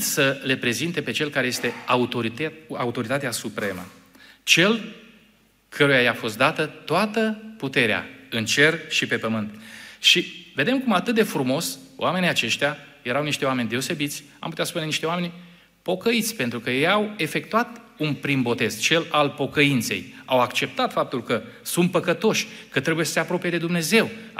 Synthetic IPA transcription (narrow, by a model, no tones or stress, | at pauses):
səle̞pɾe̞zint̪e̞pe̞t͡ʃe̞lkaɾeje̞st̪e̞aut̪oaut̪o̞ɾit̪at̪easupɾe̞mə̰ | t͡ʃe̞l | kʰəɾujajafo̞st̪d̪at̪ət̪oat̪əput̪e̞ɾea̰ɨnt͡ʃe̞rʃipe̞pəmɨnt̪ʃive̞d̪e̞mkumat̪ɨt̪̚d̪efɾumo̞sowʔame̞nijat͡ʃe̞ʃt̪jaje̞ɾawniʃt̪e̞owame̞nʲd̪e̞ose̞bit̪sʲ | a̰mput̪ʲaspune̞niʃt̪e̞wame̞nʲ | po̞kəit̪sʲpe̞nt̪ɾukəjejawe̞fe̞k̚t̪uat̪ | unpɾimbo̞t̪e̞z̥t͡ʃe̞lalpo̞kəint̪se̞̰jawakt͡ʃe̞p̚t̪at̪fap̚t̪ulkəsunt̪̚pəkət̪o̞ʃʲkət̪ɾebuje̞sə̥se̞apɾo̞pije̞d̪e̞d̪umne̞ze̞w